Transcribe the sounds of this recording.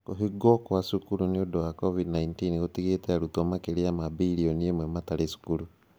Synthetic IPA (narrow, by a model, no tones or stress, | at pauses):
koɦiɡokwasukuɾuniodowakovidnaintinɣotiɣeteaɾutomakeɾiamabiɾioniemwemataɾesu̥kuɾu